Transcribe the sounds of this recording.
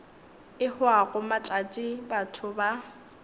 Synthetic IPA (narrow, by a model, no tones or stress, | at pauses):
ɪhʊaɣʊmat͡ʃʼat͡ʃʼibatʰʊba